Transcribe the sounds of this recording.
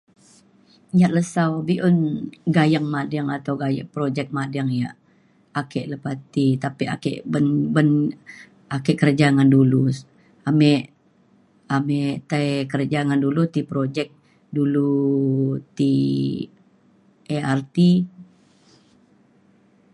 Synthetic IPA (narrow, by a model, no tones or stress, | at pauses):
ɲaʔləsawbiʔonɡajaŋmadəŋat̪awɡaja̰ʔpɾod͡ʒɛk̚madaŋjaʔ | akɛʔləpat̪it̪apia̰kɛ̰ʔbənbən | akɛʔkərd͡ʒaŋandulus | amɛʔ | amɛt̪akərd͡ʒaŋandulut̪ipɾod͡ʒɛk̚ | dulu | t̪i | eart̪i